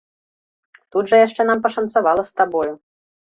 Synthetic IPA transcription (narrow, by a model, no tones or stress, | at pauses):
t̪ud̪ʐɐjaʂt͡ʂɛnampɐʂɐnt̪savalˠɐst̪abɔju